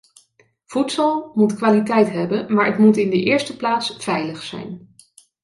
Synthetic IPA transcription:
v̥utsɑlˠmutkʋaːlitɛjtɦɛbənmaːɹətmutɪndəʔɪːɹstəplaːtsfɛjləχsɛ̰jn

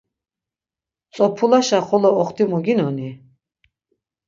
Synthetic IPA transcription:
t͡sʼɔpʰulaʃaχɔlɔɔχt̪imuɡinɔni

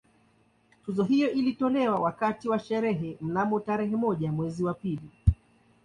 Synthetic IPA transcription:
tuzɔɦijɔʔilitɔlɛwawakatiwaʃɛɾɛɦɛm̩namɔtaɾɛɦɛmɔʄamwɛziwapili

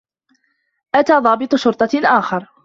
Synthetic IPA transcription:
ʔat̪aːðˤɑːbɨt̪ˤʊʃʊɾt̪ˤɑʔaːxɑɾˤ

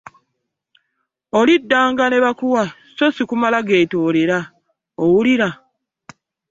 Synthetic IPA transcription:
olidːaːŋɡane̞βakuwa | sosikumalaɡe̞ːtoːleɾa | owuliɾa

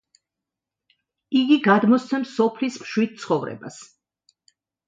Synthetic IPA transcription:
iɡiɡad̪mɔst̪sʰɛmsɔpʰlismʃwid̪̚t̪sʰχɔvɾɛ̰ba̰s

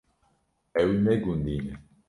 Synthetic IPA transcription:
ɛwnɛɡund̪in

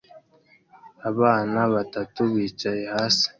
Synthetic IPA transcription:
aβaːnaβatatuβiːt͡ʃaje̞hasi̥

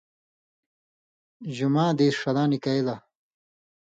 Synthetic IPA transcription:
ʑumãːd̪eːɾʂɐlaːnikɐela

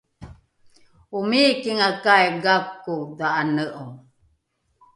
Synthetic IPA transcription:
umikiŋakajɡakːudaʔanəʔo

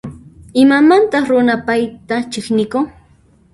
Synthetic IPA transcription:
ɪmamant̪ɑχɾʊnapajt̪at͡ʃɪχnɪkʊŋ

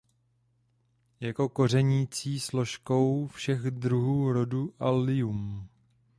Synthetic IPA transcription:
jako̞ko̞r̝ɛɲiːt͡siːslo̞ʃko̞wfʃɛɣd̪ɾuɦuːɾo̞duʔalɪum

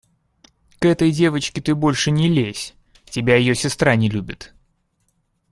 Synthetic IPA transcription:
kɛt̪əjdʲe̞vət͡ɕkʲɪt̪ɨbo̞lʲʂɨnʲɪlʲesʲ | tʲɪbʲajɪjosʲɪst̪ɾanʲɪlʲubʲɪt̪

